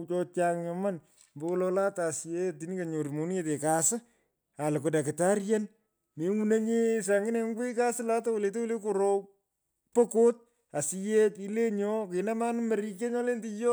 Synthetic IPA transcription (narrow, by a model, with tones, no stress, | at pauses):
t͡ʃɔ˧t͡ʃa˦ŋɲɔ˨ma˦n | mbo˦lɔ˧la˦ta˨sje˦ti˨ni˦ka˨ɲo˨ɾi˨mo˨n˦e˦te˨ka˨sɪ˦ | a˨lɪ˨ko˨da˨kɪ˨ta˦ɾja˦n | me˨ŋu˦na˦ɲe˦s̬a˨ŋɡɪ˦ne˨ŋɡwi˦ka˦sɪ˦la˦ta˦wo˨le˨te˦wʊ˦le˦ko˨ɾo˦ | po˦ko˦t̚ | a˨sɪ˦je˦pi˦le˦ɲɔ˦kɪ˨na˦ma˦n˦mɐ˨ɾi˦k̬e˦ɲɔ˦le˦ntɪ˦jɔ˦